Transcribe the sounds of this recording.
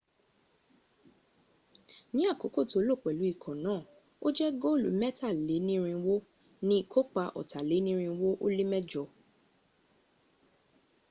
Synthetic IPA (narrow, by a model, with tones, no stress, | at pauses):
nĩ˦a˦˨ko˨˦ko˦˨to˨o˦lo˦˨k͡pɛ˨lu˨˦i˦˨kʰɔ̃˨nãː˦˨ | o˦d͡ʒɛ˦ɡo˦˨lṵ˨˦mɛ˦ta˦˨le˨˦nĩ˦ɾ̃ĩ˧wo˦ | nĩ˦i˦˨kʰo˦k͡pa˧˨ʔɔ̰˨ta˨le˨˦nĩ˦ɾ̃ĩ˧wo˦ʔo˦li˦mɛ˦d͡ʒɔ˧